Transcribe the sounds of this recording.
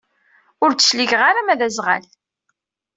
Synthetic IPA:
ʊɾt͡sːə̥ʃliʝʁaɾamæðæzʁa̰l

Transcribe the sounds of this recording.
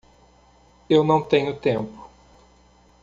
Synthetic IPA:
ewnɐ̃w̃t̪ẽɲʊt̪ẽmpʊ̥

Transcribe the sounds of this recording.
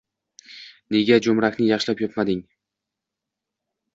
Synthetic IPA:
ne̞ɡʲad͡ʒomɾakʲnɪjɑχʃlapjop̪mad̪ɪŋ

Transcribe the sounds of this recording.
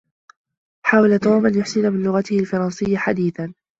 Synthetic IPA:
ħaːwalat̪oːmʔanjʊħsɪnamɪnlʊɣat̪ɪhɪlfɑɾˤɑnsɪjːaħad̪iːθan

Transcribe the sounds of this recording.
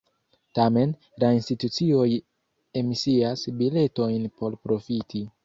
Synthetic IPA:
tame̞n | lainstitut͡sio̞j | e̞misiasbile̞to̞jnpʰo̞ɾpɾo̞fitʰi

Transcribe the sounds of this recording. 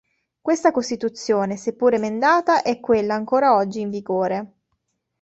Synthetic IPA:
kwest̪akost̪it̪ut̪sːjoːnesepːuːɾemend̪aːt̪aʔɛkːwelːaːŋkoːɾaɔd͡ʒːiːɱviɡoːɾe

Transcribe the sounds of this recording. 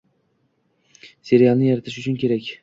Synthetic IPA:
seɾijanɪjaɾat̪ʰɪʃʊt͡ʃʰʊnkʲe̞ɾakʲ

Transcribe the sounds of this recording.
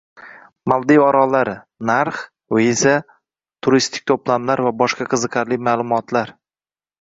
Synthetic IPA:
malˠd̪ijɒɾɒlaɾɪ | naɾχ | ʊesa | t̪ʰʊɾist̪ʰɪ̥k̚ʲt̪ʰoplamlaɾvabɒʃqɑqʰɨzɨqʰaɾlɪmaːlˠʊmɒt̪laɾ

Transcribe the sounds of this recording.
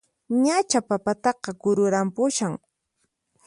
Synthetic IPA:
ɲat͡ʃapapat̪ɑqɑɡʊɾʊɾampʊʃaŋ

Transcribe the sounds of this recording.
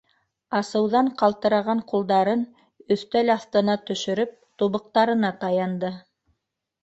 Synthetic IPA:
ɑsɤ̆wðɑɴqɑlˠt̪ɤ̆ɾɑʁɑɴqulˠd̪ɑɾɤn | ɵ̆θt̪ælɑθt̪ɤ̆nɑt̪ɵ̆ʃɵ̆ɾɵp̚t̪uβɤ̆q̚t̪ɑɾɤ̆nɑt̪ɑjɑnd̪ɤ

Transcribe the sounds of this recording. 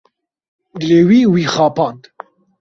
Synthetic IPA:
ɡ̪lewiːwiːχɑːpʰɑːnd̪

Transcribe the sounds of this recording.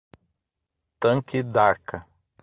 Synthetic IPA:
t̪ɐ̃ŋkɪd̪aɾkɐ

